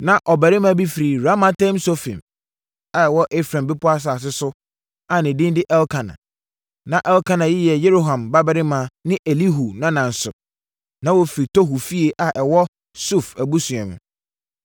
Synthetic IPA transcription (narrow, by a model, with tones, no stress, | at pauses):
nã˨ʔɔ˨bæ˨ɾɪ˦mã˦bi˦fi˨ɾi˨ɾa˦ma˦tʰã˦m˦so˦fḭ̃˨m | a˨ɛ˨wɔ˦ʔe˦fɾã˨mbɪ˦pʰʊ˦a˦s̬a˨s̬ɪ˦sʊ˦ | a˨nɪ̃˨dɪ̃˦n˦dɪ˦ʔɛ˦lkʰã˨nã̰˨ | nã˨ʔɛ˦lkʰã˦nã˨jɪ˦jɛ˨je˦ɾo˦ɦã˨mba˦bæ˨ɾɪ˦mã˨nɪ̃˦ʔe˨li˦ɦu˨nã˦nã˨n̩˨sʊ˨ | nã˦wo˦fɾi˨tʰo˦ɦu˨fi˦e˨ʔa˨ʔɛ˨wɔ˦ | su˦˨fæ˨bu˦sʊ̃˨ã˨mʊ̰̃˨